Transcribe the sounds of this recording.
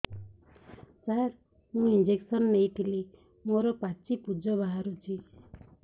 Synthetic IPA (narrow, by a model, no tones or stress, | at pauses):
saɾ | ɦũind͡ʒeksɔnːeit̪ʰili | moɾɔpat͡ʃipud͡ʒɔbaɦaɾut͡ʃʰi